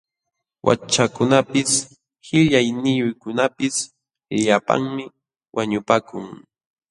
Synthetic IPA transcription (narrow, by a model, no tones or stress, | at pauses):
wʔa̰t͡ʃakʊnapɪs | hɪʎajnɪjʊjkʊnapɪs | ʎʎapa̰ŋmɪ | wʔaɲʊpaːkʊŋ